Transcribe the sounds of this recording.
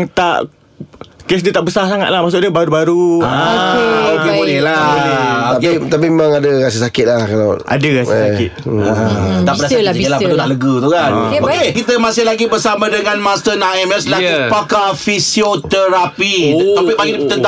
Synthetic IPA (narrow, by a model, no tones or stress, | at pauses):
ŋt̪a̰ʔ | kes̬dət̪aʔbəsarsaŋa̰t̪̚lahmaʔs̬ʊʔdəbaɾubaɾuaokeonila | t̪apit̪ap̬imemaŋadəɣas̬isakɪt̪̚lahkalaʔa̰dəɣassakɪt̪at̪aʔpənasaielapət̪unaʔləɡət̪ukanokekit̪əmasɪhlaɡibərsamãdəŋanmast̪ənamaslapakafisiot̪əɾapit̪apɪbaɡidipt̪ənt̪a